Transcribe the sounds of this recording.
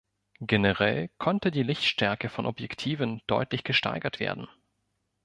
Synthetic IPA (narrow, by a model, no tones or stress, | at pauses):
ɡ̥enəʁɛ̰lkʰɔntədiːlɪçtʃtɛɐkəfɔnʔɔpjɛktʰiːvənd̥ɔʏtlɪçɡ̥əʃta̰ɪɡɐtv̥ḛːɐdn̩